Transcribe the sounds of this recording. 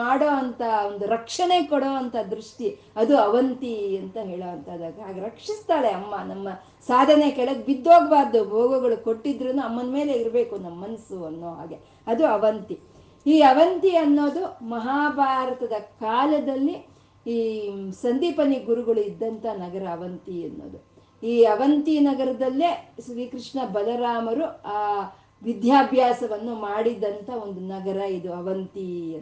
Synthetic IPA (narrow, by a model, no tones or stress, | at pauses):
aːɽoːɐnt̪ɐond̪uɾɐkʂɐne̞kɔɽoːɐnt̪ʰɐd̪ɾuʂʈi | ɐd̪uɐʋɐnt̪iɐnt̪ɐɦeːɭoːʋɐnt̪ɐd̪aːɡeɦaːɡeɾɐkʂist̪aːɭe̞ɐmːɐnɐmːɐ | saːd̪ʱɐnekɛɭɐɡbid̪ːoːɡɐbaːɾd̪ɐbʱoːɡuɡɐɭukoʈːid̪ɾɐnːuɐmːɐnme̞ːle̞iɾbe̞ːkunɐmːɐnsuɐnːoːɦa̰ːɡe̞ | ɐd̪uɐʋɐnt̪i | iːɐʋɐnt̪iɐnːo̞ːd̪umɐɦaːbʱaːɾɐt̪ɐd̪ɐkaːlɐd̪ɐlːi | iːsɐnd̪iːpɐniɡuɾuɡɐɭuid̪ːɐnt̪ʰɐnɐɡɐɾɐːʋɐnt̪iɐnːo̰ːd̪u | iːɐʋɐnt̪inɐɡɐɾɐd̪ɐlːeʃɾiːkɾiʂɳɐbɐlɐɾaːmɐɾuaː | ʋid̪ʱjaːbʱjaːsɐʋɐnːumaːɽid̪ɐnt̪ʰɐo̞nd̪unɐɡɐɾɐid̪uɐʋɐnt̪i